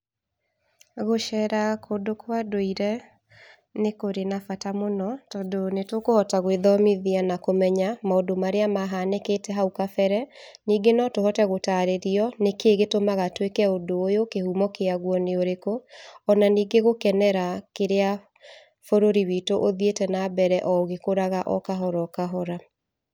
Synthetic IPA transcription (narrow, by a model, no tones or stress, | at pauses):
ɣoʃɛɾakʰodokʰwadoiɾɛ | nekoɾenafatamonɔtɔːdonetokohɔtaɣweðɔmiðianakomɛɲamaodomaɾeamaɦaneketɛɦaukafɛɾɛniːɡenɔtohɔtɛɣotaɾeɾiɔnekeɣetomaɣatwekɛodoːjokehumɔkeaɣwɔneoɾekoɔnaniːɡeɣokɛnɛɾakeɾea | foɾoɾiwitoʔoðietɛnabɛɾɛʔɔɣekoɾaɣaʔɔ̰kaɦɔɾɔkaɦɔɾa